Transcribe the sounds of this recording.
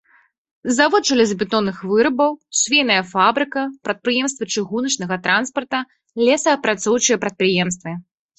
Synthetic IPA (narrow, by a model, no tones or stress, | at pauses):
zavɔt̪̚t͡ʂɐlʲɛzbʲɪt̪ɔnːɨxvɨɾɐbɐwsʲvʲejnɐjɐfabɾɨkɐpɾɐt̪̚pɾɨjɛmst̪vɐt͡ʂɨɣunɐt͡ʂnɐɣɐt̪ɾanspɐrt̪ɐ | lʲɛsɐːpɾat̪sɔwt͡ʂɨjɐpɾɐt̪̚pɾɨjɛmst̪vɨ